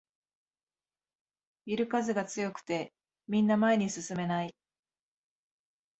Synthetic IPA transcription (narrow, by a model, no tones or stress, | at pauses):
iɾɯ̟kazɨɡat͡sɨjo̞kɯ̟̥t̪e̞ | mʲĩnːamae̞ɲ̟isɨsɨme̞nai